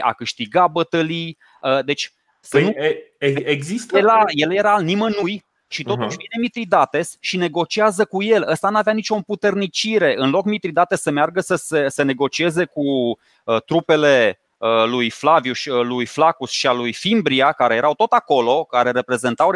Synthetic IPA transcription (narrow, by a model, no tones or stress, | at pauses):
a̰kɨʃt̪iɡabət̪əli | əd̪e̞t͡ʃʲ | sənueeɡzist̪elajeljeɾalnimənuj | ʃit̪o̞t̪uʃʲvine̞mit̪ɾid̪at̪e̞sʃine̞ɡo̞t͡ʃiazəkuje̞ləst̪anuaveanit͡ʃo̞mput̪e̞rnit͡ʃiɾe̞ʔɨnlo̞kmit̪ɾid̪at̪esːəmearɡəsəsese̞ne̞ɡo̞t͡ʃie̞ze̞ku | ət̪ɾupe̞le̞ | əlujflavjuʃlujflakusʃialujfimbɾiakaɾe̞je̞ɾʔawt̪ot̪ako̞lo̞kaɾe̞ɾe̞pɾe̞ze̞nt̪aw